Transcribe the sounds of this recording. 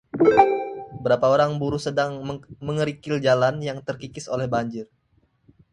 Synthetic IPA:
bəɾapaoɾaŋbuɾusədaŋməŋəɾikɪld͡ʒalanjaŋt̪ərkikɪso̰lɛhbaɲd͡ʒɪr

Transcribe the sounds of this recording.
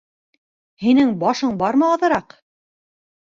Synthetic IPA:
hinɘŋbɑʃɤɴbɑɾmɤ̆ɑðɤ̆ɾɑq

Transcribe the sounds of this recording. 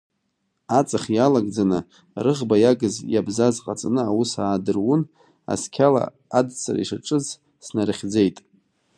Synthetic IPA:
at͡sʼaχʲjalaɡd͡zanɨ | rɨʁbajaɡɨzjabzazqʼat͡sʼanɨawusaːdɨrwʊn | a̰skʲʰala̰ | adt͡sʰa̰rḭʂaʈ͡ʂʼɨz | snarχʲd͡ze̞jtʼ

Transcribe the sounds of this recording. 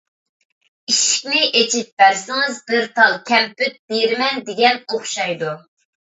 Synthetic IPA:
iʃi̥kʲnɪʔet͡ʃʰip̚bæɾsɪŋɨzbɪɾt̪ʰɑlˠkʲʰɛmpyt̪̚b̥eɾmɛnd̪eɡʲɛnoχʃɑjd̪u

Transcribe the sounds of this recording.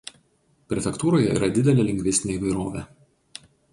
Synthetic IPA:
pʲɾʲɛfʲɛkt̪uːɾoːjɛḭːɾɐd̪ʲɪd̪ʲɛlʲeːlʲɪŋʲɡʲʋʲɪsʲɪnʲeiːʋɐɪɾoːʋʲeː

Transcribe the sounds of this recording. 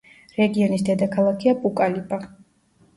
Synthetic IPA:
ɾɛɡiɔnisd̪ɛd̪akʰalˠakʰiapʼukʼalipʼa

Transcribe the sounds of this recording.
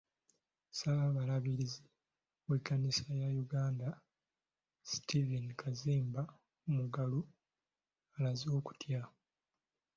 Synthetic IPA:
saaβalaβiɾizi | wekːanisajajuɡaːnda | si̥tivinkʰaziːmba | umuɡalu | alazo̞ːku̥tʰja

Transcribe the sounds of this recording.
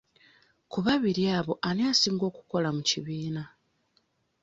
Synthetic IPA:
kuβaβiɾiaβo̞ʔaneasiːŋɡo̞ːku̥ko̞lamuciβiːna

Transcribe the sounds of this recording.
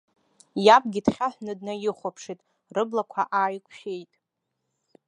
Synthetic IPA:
japʼɡʲidχʲaħʷnɨdnajɪχʷapʰʂitʼ | rɨblakʷʰaʔaːjkʷʼʰʃejtʼ

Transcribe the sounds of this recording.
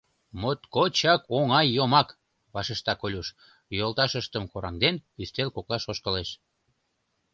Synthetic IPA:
mot̪kot͡ɕɑkoŋɑjːomɑk | βɑʃeʃt̪ɑkolʲuʃ | jolt̪ɑʃəʃt̪əmkoɾɑ̰ŋd̪enpyst̪elkoklɑʃoʃkəleʃ

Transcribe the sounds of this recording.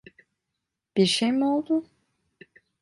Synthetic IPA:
b̥iɾʃejmiolˠd̪ʊ

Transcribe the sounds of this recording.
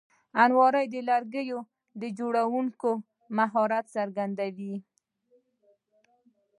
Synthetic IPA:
anwɑɾəjd̪əlaɾɡəjo | d̪əd͡ʒoɽawuŋko | maɦɑɾat̪saɾɡand̪awi

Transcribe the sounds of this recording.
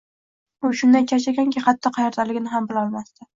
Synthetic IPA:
ʊʃʊnd̪ant͡ʃʰaʃ̬aɡʲaŋkʲɪχɑt̪ʰːɒqʰɑjɒɾd̪alɪɡʲɪnɪɦambɪlɒlˠmast̪ɪ

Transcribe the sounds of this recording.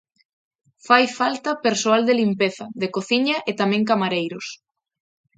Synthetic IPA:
fajfalt̪ɐpeɾsoald̪elimpeθɐðekoθiɲɐʔet̪amɛ̃ŋkamaɾejɾʊs

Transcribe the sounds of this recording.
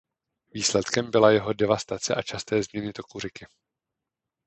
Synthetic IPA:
viːslɛt̪kɛmbɪlajɛɦo̞dɛvast̪at͡sɛʔat͡ʃast̪ɛːzmɲɛnɪt̪o̞kurɪkɪ

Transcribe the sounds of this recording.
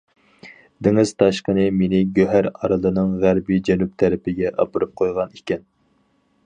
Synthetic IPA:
d̪ɪŋɪz̥t̪ʰɑʃqənɨmenɪɡʲøɦæɾɑ̰ɾɨlˠɨnɨŋʁæɾbid͡ʒɛnyp̚t̪ʰɛɾɪpʰɪɡʲɛʔɑ̰pɨɾɨp̚qʰojʁɑnikʲɛn

